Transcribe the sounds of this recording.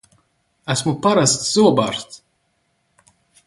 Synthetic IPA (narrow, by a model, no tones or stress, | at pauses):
æsmupaɾast̪z̥uɔbaɾst̪